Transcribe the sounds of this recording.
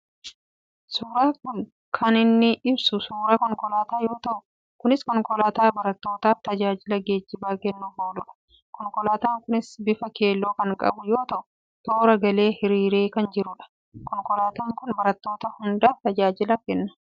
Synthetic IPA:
suːɾaːkʊn | kʰɐnɪnːɪʔɪbsʊsuːɾɐkɔŋkɔlaːt̪aːjo̞ːt̪ɐʔʊ | kʊnɪskɔŋkɔlaːt̪aːbɐɾɐt̪ːo̞ːt̪aːft̪ɐd͡ʒaːd͡ʒɪlɐɡe̞ːd͡ʒːɪbaːkɛnːʊfoːlʊᶑɐ̥ | kɔŋkɔlaːt̪aːŋkʊnɪsbɪfɐke̞ːlːoːkɐŋkʼɐ̰bʊjo̞ːt̪ɐʔʊ̥ | t̪o̞ːɾɐɡɐle̞ːhɪɾiːɾe̞ːkɐnd͡ʒɪɾʊᶑɐ̥ | kɔŋkɔlaːt̪aːŋkʊnbɐɾɐt̪ːo̞ːt̪ɐhʊnd̪aːft̪ɐd͡ʒaːd͡ʒɪlɐkɛnːɐ̥

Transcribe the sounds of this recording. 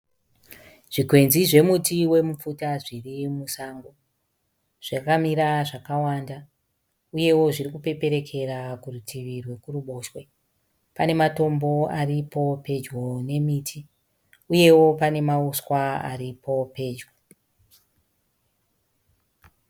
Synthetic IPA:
ʐ̥ikwe̞nziʐe̞mutiwe̞mufutaʐirimusaːŋɡo̞ | ʐ̥akamiɾaʐakawanda | uje̞wo̞ʐiɾikupe̞pe̞ɾe̞kʰe̞rakurutiʋirwe̞kuruɓo̞ʃwe̞ | pane̞mato̞mbo̞aripo̞pe̞d͡ʒɡo̞ne̞mitʰi | uje̞wo̞pane̞mauswaa̰ɾipʰo̞pe̞ːd͡ʒwo

